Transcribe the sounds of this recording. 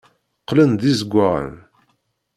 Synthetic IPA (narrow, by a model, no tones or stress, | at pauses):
qːlənðizəɡʷːaʁə̰n